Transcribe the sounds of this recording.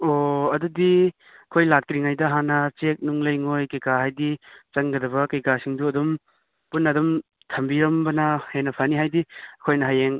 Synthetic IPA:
oɐdudi | ɐkʰojlak̚tɾiŋajdɐɦanɐt͡ʃek̚nuŋlɐjŋojkɐjkaɦajdit͡ʃɐŋɡɐdɐβɐkɐjkasiŋduɐdum | punːɐdum | tʰɐmbiɾɐmbɐnɐhenɐpʰaniɦajdiɐkʰojnɐɦajeŋ

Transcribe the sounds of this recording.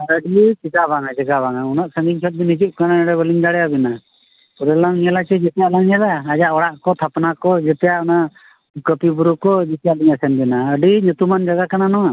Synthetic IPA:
əɖikit̪abaŋad͡ʒɛɡaβaŋaunaʔsəŋɡiŋt͡ʃʰɔt̪̚binid͡ʒuʔ̚kanaɛɽɛbəliŋɡaɽɛabɛna | uɾɛlaŋɲɛlat͡ʃɛd͡ʒɛt̪ɛjaʔlaŋɲɛd̪aːd͡ʒaʔɔɽaʔkɔt̪ʰapnakɔd͡ʒɛt̪ɛjaʔuna | kəpibuɾukɔd͡ʒɛt̪ɛjaliɲasɛnbɛnaəɖiɲut̪umand͡ʒaɡakananɔwa

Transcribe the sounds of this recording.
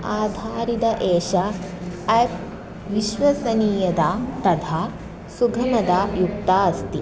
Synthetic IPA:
aːd̪ʱaːɾid̪ɐʔeːɕaɛp | ʋiʃʋɐsɐniːjɐd̪aːt̪ɐd̪ʱaː | suɡʱɐnɐd̪aːjuk̚t̪aɐst̪i

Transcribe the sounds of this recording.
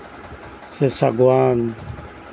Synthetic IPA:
sesaɡwaːn

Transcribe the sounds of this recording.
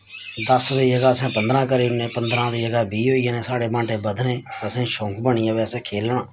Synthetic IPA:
d̪əsd̪iːd͡ʒəɡaːəsẽːpənd̪ɾãːkəɾiːneːpənd̪ɾãːd̪iːd͡ʒəɡaːbiːɦoːiːjeːneːsaːɽeːbãːɳʈeːbəd̪nẽːəsẽːʃõːkʰbəɳiːaːʋeːəsẽːkʰeːlɳãː

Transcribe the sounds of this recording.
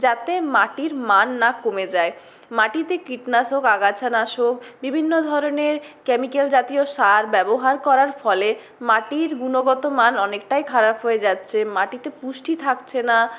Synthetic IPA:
d͡ʑat̪emaʈiɾmanːakomed͡ʑae | maʈit̪ekɾiʈnaʃokaɡat͡ɕʰanaʃok̚bibʱinːod̪ʱɔɾoneɾkɛmikeld͡ʑat̪ioʃaɾbɛboɦaɾkɔɾaɾfɔle | maʈiɾɡunoɡɔt̪omanɔnekʈajkʰaɾapɦoed͡ʑatːɕʰemaʈit̪epuʃʈit̪ʰakt͡ɕʰena

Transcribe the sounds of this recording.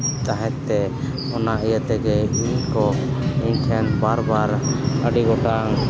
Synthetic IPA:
t̪aɦɛ̃t̪ɛ | ɔnaʔijət̪ɛɡɛiɲkɔiɲk̪ʰɛnbaɾbaɾəɖiɡɔʈaŋ

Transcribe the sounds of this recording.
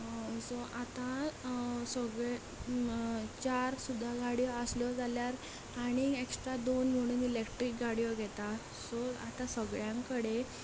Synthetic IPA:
sɔʔat̪ã | səɡɭe | t͡ɕaɾsud̪ʱːaɡaɽijɔəsljɔd͡zaljaɾ | aɽ̃ieksʈɾad̪onm̤əɽ̃uːnilekʈɾiːk̚ɡaɽijoɡʱɛt̪a | sɔa̰t̪ãsəɡɭjãŋkəɽe

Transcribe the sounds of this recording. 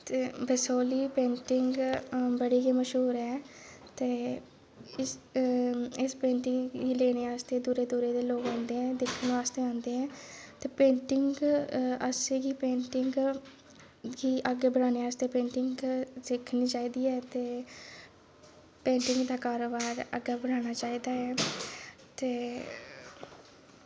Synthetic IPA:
t̪eːbɪsoːliːpẽːɳʈɪŋɡbəɽiːɡeːməʃɦuːɾɛːt̪eː | ɪ | ɪspẽːɳʈɪŋɡiːleːɽ̃eːaːst̪eːd̪uːɾeːd̪uːɾeːd̪eːloːɡãːnd̪eːɛ̃ːd̪ɪkʰːənʋaːst̪eːãːnd̪eːɛ̃ːt̪eːpẽːɳʈɪŋɡə̰seːɡiːpẽːɳʈɪŋɡ | kiːʔəɡeːbəɽaːneːaːst̪eːpẽːɳʈɪŋɡd̪ɪkʰniːt͡ʃaːiːd̪iːɛːt̪eː | pẽːɳʈɪŋɡd̪aːkaːɾoːbaːɾə̰ɡaːbəɽ̃aːñaːt͡ʃaːiːd̪aːɛː | t̪eː

